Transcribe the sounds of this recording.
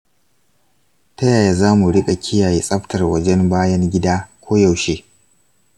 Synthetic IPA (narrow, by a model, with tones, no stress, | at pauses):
tɐ˦jaː˨jaː˨zaː˦mu˨ɽɪ˦kʼa˨kʲʰɪ˦jaː˨jeː˦sʼɐ˦ɸtʰɐ˨rwɐ˦d͡ʒɛ˦mbaː˦jɐ˦ŋɡʲɪ˦daː˦kʷʰoː˦jɐ˨wʃeː˦